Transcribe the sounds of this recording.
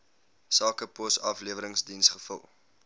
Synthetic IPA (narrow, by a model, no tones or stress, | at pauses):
sɑːkəposɐfliəvəɾəŋsdinsχəfə̰lˠ